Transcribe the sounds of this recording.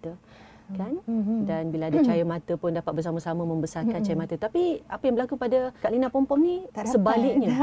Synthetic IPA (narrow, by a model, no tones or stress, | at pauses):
t̪ə | kandanbilaadat͡ʃajəmãt̪əpʊndapat̪̚bərsaməsaməmə̃mbəsarkant͡ʃajəmat̪ət̪apiapəjaŋbəlakukəpadakaʔlinapɔmpɔmnisəbalɪk̚ɲə̃